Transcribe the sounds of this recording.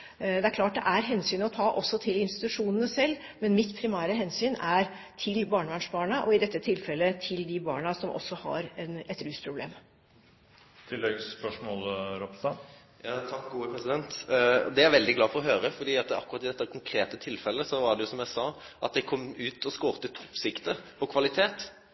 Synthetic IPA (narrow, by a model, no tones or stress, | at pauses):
d̪ɛæɾkʰlɑːʈ̚d̪ɛ̰ʔæɾɦɛnsyːnɔt̪ʰɑːʔɔsːɔt̪ʰɪlɪnst̪ɪt̪ʉʂuːnənəsɛlː | mɛnmɪt̪ːpʰɾɪmæːɾəɦɛnsyːnæɾ | t̪ʰɪlbɑːɳəʋæɳʂbɑːɳəʔɔɪd̪ɛt̪ːət̪ʰɪlfɛlːət̪ʰɪld̪ɪbɑ̰ːɳɑsɔmʔɔ̰sːɔhɑ̰ɾɛnɛt̪ɾʉːspʰɾʊblḛːm | t̪ʰɪlːɛɡspœʂmolɾɔpt̪ɑ | jɑt̪ʰɑkɡuːəpʰɾɛsɪd̪ɛnt̪d̪ɛæɾʋɛld̪ɪɡlɑːfɔʁɔɦøːɾəfɔɖ̪iːɑt̪ɑ̰kːʊɾɑt̪ːɪd̪ɛt̪ːəkʰʊŋkʰɾeːt̪ət̪ʰɪlfɛlːəsɔʋɑɖ̪ɛjʊsɔmjæɪsɑːʔɑt̪̚d̪ɛkʰɔmːʉːt̪ʰɔskoːʁt̪ət̪ʰɔ̥pːsɪkt̪əpʰɔkʰʋɑlɪt̪ʰeːt̪